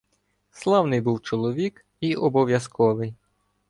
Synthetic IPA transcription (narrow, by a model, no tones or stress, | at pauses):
slˠɑwnɪjbuwt͡ʃɔlˠɔʋʲik | iʔɔbɔʋʲjɐskɔʋɪj